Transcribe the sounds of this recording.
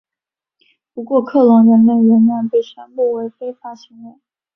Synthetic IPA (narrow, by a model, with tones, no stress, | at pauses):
pu˧˥kwɔ˥˧kʰɤ˥˩lɑ˧˥ŋnə˧˥nnə˥˩ŋwə˧˥nnwa˥˧˩npe˥˩ɪɕɥɛ˥npu˥˩we˧˥ɪfe˥ɪfa˧˥ɕi˧˥ŋwɛ˧˩ŋ